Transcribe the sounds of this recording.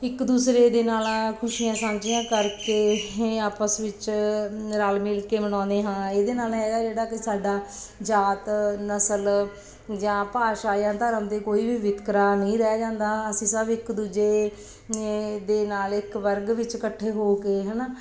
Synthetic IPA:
ɪkd̪uːsɾeːd̪eːnaːlkʰʊʃiːjãːsaːmd͡ʒɪjãːkəɾkeːaːpəsʋɪt͡ʃ | ɾaːlmɪlkeːməɽ̃ɔ̃ːnd̪eːɦãːeːd̪eːnaːlɦɛːɡaːd͡ʒeːɽaːkɪsaːɖaː | d͡ʒaːt̪nəsəl | d͡ʒãːpaːʃaːjãːt̪əɾəmd̪eːkoːiːʋiːʋɪt̪kɾaːnəĩːɾɛaːd͡ʒãːnd̪ãːəsĩːsəbɪkd̪uːd͡ʒeː | d̪eːnaːlɪkʋəɾɡʋɪt͡ʃkəʈʰːeːɦoːkeːɦənaː

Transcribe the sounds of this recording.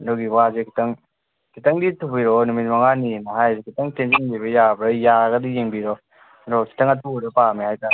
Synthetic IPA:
nɔɡiwazekʰi̥tɐŋ | kʰitɐŋditʰupiɾɔnumit̚maŋaninaɦajzekʰitaŋtend͡ʒeŋbiβɐjabɾajaɡɐdijeŋbiɾɔ | ɾɔkʰi̥tɐŋɐtuɾɔpamihajta

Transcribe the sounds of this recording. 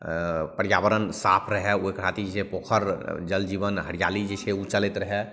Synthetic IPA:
pəɾjaʋəɾənsapʰɾəɦɛoɦekɾ̤at̪id͡ʒesepoːkʰəɾd͡ʒəld͡ʒiːβənɦəɾijalid͡ʒeseut͡ʃəlet̪ɾəɦɛ

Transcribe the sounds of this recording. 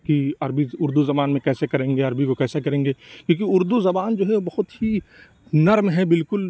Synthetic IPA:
kiɐɾbiʊɾd̪uzɐbaːnmẽkɛːsekɐɾẽːŋɡeɐɾbikokɛːsekɐɾẽːŋɡeːkjõːk̬iʊɾd̪uzɐbaːnd͡ʒoːɦɛobɐɦʊt̪hi | nɐɾmɦɛbɪlkʊl

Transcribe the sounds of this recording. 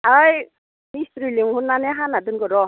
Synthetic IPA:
aj | mistɾiliŋhunːaneɦanadɯnɡɔɾɔ

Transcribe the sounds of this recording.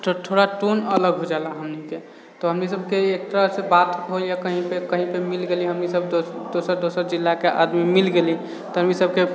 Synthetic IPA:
ʈʰoɽaʈonələɡɦod͡ʒalaɦəmnike | t̪ɔɦəmnisəbkeek̚ʈ̪ɾasebat̪ɦoljakəɦĩpekəɦĩpemilɡeliɦəmnisəb̪od̪osəɾd̪osəɾd͡ʒilːakeʔa̰d̪mimilɡeli | t̪ɔɦəmnisəb̚ke

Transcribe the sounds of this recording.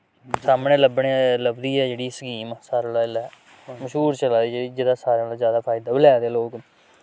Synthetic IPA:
saːmɳeːləbɳeːləbd̪iːɛːd͡ʒeːɽiːsəkiːmːsaːɾaːlaːɪla | məʃɦuːɾt͡ʃəlaːd̪iːd͡ʒeːiːd͡ʒɪd̪aːsaːɾelazjaːd̪aːpʰaːɪd̪aːbɪlaːd̪eːloːk

